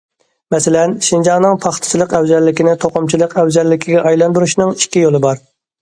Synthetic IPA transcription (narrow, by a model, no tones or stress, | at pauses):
mɛsɪlɛnʃind͡ʒɑŋnɨŋpʰɑχt̪ʰɨ̥t͡ʃʰilˠəqɛwzɛlːɪkʲinɪt̪ʰoqʊmt͡ʃʰilˠəqɛwzɛlːɪkʲʰiɡʲɛʔɑjlˠɑnd̪uɾuʃnɨŋi̥kʲːijolˠɨbɑɾ